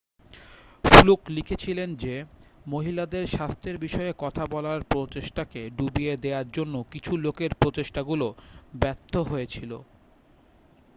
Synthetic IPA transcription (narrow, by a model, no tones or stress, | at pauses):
fluklikʰet͡ɕʰilend͡ʑemoɦilad̪eɾʃast̪ʰeɾbiʃɔekɔt̪ʰabɔlaɾpɾot͡ɕeʃʈakeɖubied̪eaɾd͡ʑonːokit͡ɕʰulokeɾpɾot͡ɕeʃʈaɡulobɛɾt̪ʰːoɦoet͡ɕʰilo̰